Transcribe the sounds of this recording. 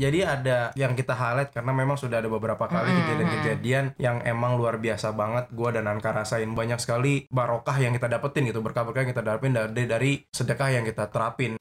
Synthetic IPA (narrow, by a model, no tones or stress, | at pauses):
d͡ʒadiadajaŋkit̪aɦalɛt̪̚karənamemaŋsudahadabəbəɾapakalikəd͡ʒadankəd͡ʒadianjaŋemaŋluarbiasabaŋət̪̚ɡuadanankaɾasaɪnbaɲak̚sə̥kalibaɾokahjaŋkit̪adapət̪ɪnɡit̪ubərkabarkajŋkit̪adaɾapɪndaddaɾisədəkahjaŋkit̪at̪əɾapɪn